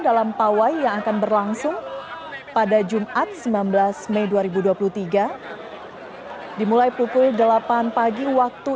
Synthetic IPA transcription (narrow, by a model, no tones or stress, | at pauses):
dalampawajːaŋakanbərlaŋsʊŋ | padad͡ʒumʔat̪̚səmblanbəlasmɛjduaɾibuduapuluht̪iɡa | dimulajpukʊldəlapanpaɡiwak̚t̪u